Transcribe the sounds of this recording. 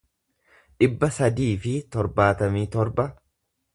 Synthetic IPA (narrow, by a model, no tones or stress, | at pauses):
ᶑɪbːɐsɐd̪iːfɪt̪ɔɾbaːt̪ɐmiːt̪ɔɾbɐ